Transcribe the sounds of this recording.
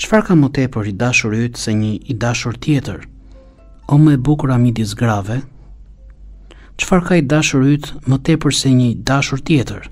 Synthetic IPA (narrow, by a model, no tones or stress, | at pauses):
t͡ʃfaɾkamət̪ɛpəɾid̪aʃuɾyt̪sɛɲəid̪aʃuɾt̪jɛt̪əɾ | ɔməɛbukuɾamid̪jɛs̬ɡɾavɛ | t͡ʃfaɾkaid̪aʃuɾyt̪mət̪ɛpəɾsɛɲəd̪aʃuɾt̪jɛt̪əɾ